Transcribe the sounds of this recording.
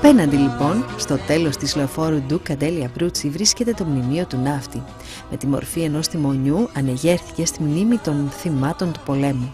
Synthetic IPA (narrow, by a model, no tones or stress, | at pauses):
ɐpe̞nɐnd̪ilipo̞nst̪o̞t̪e̞lo̞st̪islo̞fo̞ɾud̪ukɐd̪e̞liɐbɾut͡sivɾisce̞t̪e̞t̪o̞mnimio̞t̪unɐft̪i | me̞t̪imo̰ɾfie̞no̞st̪imo̞ɲuɐne̞ʝe̞ɾθice̞st̪imnimit̪o̞nθimɐt̪o̞nt̪u̥po̞le̞mu